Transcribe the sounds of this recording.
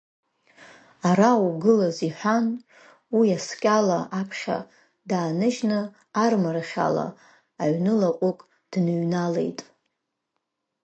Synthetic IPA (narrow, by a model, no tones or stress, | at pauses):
aɾawɡɨlaziħʷᶣan | wiaskʲʼalaʔapʰχʲa̰ | daːnɨʒnɨ | armaɾaχʲa̰la̰ː | ɥnɨlaqʷʼʊkʼ | d̥nɨɥnale̞̰jtʼ